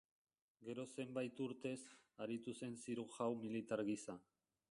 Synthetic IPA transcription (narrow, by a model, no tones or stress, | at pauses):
ɡe̞ɾo̞se̞mbajt̪uɾt̪e̞saɾit̪use̞nsiɾuxawmilit̪aɾɣisa